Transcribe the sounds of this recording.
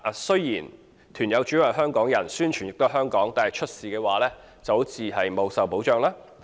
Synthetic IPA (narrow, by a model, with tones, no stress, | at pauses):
sɵ˥ɥjiː˨˩n | t̪ʰyː˨˩njɐ˨˧wt͡ʃy˨˥wɐ˨jɦœː˥ŋkɔː˨˥ŋjɐ˨˩nsyː˥nt͡ʃʰyː˨˩njɪ˨k̚t̪o˥ɦœː˥ŋkɔː˨˥ŋt̪aː˨nɐ˨jt͡ʃʰɵ˥t̚siː˨kɛː˧waː˨˧lɛː˥ | t͡sɐ˨wt͡sʰiː˨˧ɦɐ˨jmo˨˧wsɐ˨wpo˨˥wt͡ʃœː˨ŋlaː˥